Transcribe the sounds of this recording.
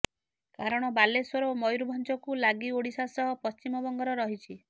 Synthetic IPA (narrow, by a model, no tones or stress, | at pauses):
kaɾɔɽ̃ɔbalesɔɾomɔjɾubʱɔnt͡ʃɔkulaɡioɽisasɔɦɔpɔst͡ʃimɔbɔŋɡɔɾɔɾɔɦit͡ʃʰi